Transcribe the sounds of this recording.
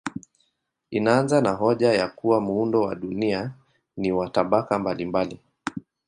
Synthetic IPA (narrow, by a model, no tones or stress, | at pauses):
inaanzanaɦɔʄajakuwamuundɔwa̰ɗunia | niwataɓakambalimbali